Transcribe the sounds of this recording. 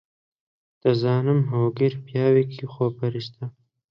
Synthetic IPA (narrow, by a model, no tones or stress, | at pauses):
d̪̥əzɑːnɪmɦoːɡiɾpjɑːwikʰixoːpɐɾist̪a